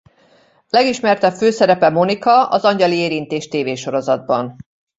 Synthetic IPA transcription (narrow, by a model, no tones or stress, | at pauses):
lɛɡiʃmɛrt̪ɛføːsɛɾɛpɛmo̞nikɒɒ̰zɒɲɟɒlieːɾint̪eːʃt̪eːveːʃo̞ɾo̞zɒd̪̚bɒn